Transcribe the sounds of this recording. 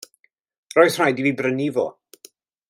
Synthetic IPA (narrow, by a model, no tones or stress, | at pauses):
rɔjθr̥ajdiviːbrənivo̰ː